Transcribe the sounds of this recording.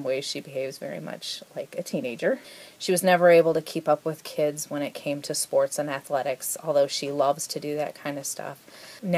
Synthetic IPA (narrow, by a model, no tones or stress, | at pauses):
mweɪz̥ʃibɨɦeɪvzvɛ̰ɹḭmʌ̰t͡ʃlaɪkɨtʰĩneɪd͡ʒə˞ʃiwʌznɛvə˞eɪbl̩ˠtɨkʰipʌpwɨð̥kʰɪdzwə̃ɾ̃ɨt̚kʰẽɪ̃mtʰɨspɔɹtsɨ̃næθlɛɾɨksɔ̰lˠðoʊʃilʌvz̥tʰɨdɨðɨ̰t̚kʰãɪ̃ndʌv̥stʰʌ̰fn